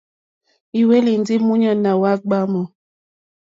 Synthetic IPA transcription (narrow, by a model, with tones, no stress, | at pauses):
i˨we˦li˨n˦di˦mu˦ɲɔ˨na˨wa˦ɡ͡ba˦mɔ˨